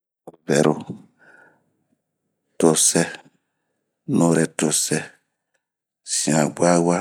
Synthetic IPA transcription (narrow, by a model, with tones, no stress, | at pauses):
vɛ˨ɾo˨ | to˨sɛ˦ | nõ˧ɾɛ˨to˨sɛ˦ | sĩ˨ã˨ɡ͡bʷa˦wa˦